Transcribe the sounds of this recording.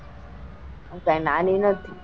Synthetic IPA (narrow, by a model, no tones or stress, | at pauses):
amkãĩnaninət̪ʰi